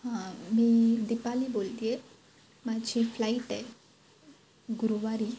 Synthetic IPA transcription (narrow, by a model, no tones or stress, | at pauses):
hãmiːd̪ipalibolt̪ie | mad͡ʑiflaiʈɛ | ɡuɾuʋaɾi